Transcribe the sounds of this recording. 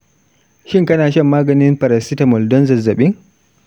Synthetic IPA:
ʃɪ˦ŋkɐ˦naː˨ʃɐ˦mːaː˦ɡɐ˨nɪ˦mɸɐ˨ɾɐ˨sɪ˦ta˨mɔ˨ldɔ˦nzɐ˨zːɐ˨ɓɪ˦ŋ

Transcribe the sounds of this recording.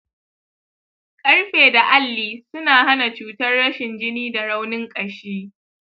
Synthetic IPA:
kʼɐ˦rɸeː˨da˨ʔa˦lːiː˨sʊ˦naː˨ha˦na˨t͡ʃuː˦tɐ˦rːɐ˦ʃɪ˨nd͡ʒɪ˦niː˦da˨ɽa˦wnɪ˦ŋkʼɐ˨ʃiː˦

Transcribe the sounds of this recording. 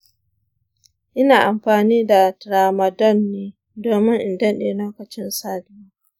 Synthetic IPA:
ʔɪ˦naː˨ʔa˨mɸaː˨niː˦da˨tɾaː˨mɐ˨dɔ˦˨nːiː˦ | doː˨mɪ˦ŋʔɪ˨ndɐ˦nɗeː˨loː˦kɐ˨t͡ʃɪ˦nsaː˦dɪ˦

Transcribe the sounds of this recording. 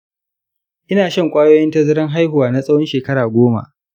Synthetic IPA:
ʔɪ˦naː˨ʃɐ˦ŋkʷʼaː˦joː˦jɪ˦ntɐ˦zɐ˦ɾɐ˦ŋɦa˦jhʊ˨waː˨na˦sʼɐ˦wɔ˦nʃeː˨kɐ˦ɽaː˨ɡʷoː˦ma̰˦ʔ

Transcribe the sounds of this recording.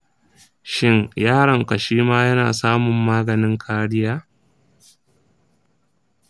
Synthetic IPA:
ʃɪ˦ŋjaː˦ɽɐ˨ŋka˨ʃiː˦maː˦jɐ˦na̰ː˨saː˦mʊ˨mːaː˦ɡɐ˨nɪ˦ŋkʰaː˦ɽɪ˦jaː˦

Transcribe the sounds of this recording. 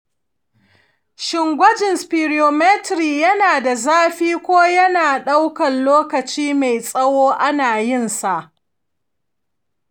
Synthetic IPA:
ʃɪ˨ŋɡʷɐ˦d͡ʒɪ˨nspiː˨ɾi˨oː˨mɛ˦tɾiː˨jɐ˦naː˨da˨zaː˦ɸiː˦kʷoː˦jɐ˦naː˨ɗa˦wkɐ˨nloː˦kɐ˨t͡ʃiː˦ma˨jsʼɐ˦woː˦ʔa˦naː˨jɪ˦˨nsa˨ʔ

